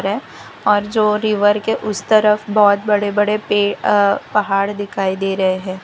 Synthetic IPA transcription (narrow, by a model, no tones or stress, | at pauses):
ɾɦɛː | ɔːɾd͡ʒoːɾɪʋəɾkeʔʊst̪ɐɾəfbɔːt̪̚bɐɽebɐɽepeːpɐɦaːɽd̪ɪkʰaːid̪eːɾɐɦeɦɛ̃ː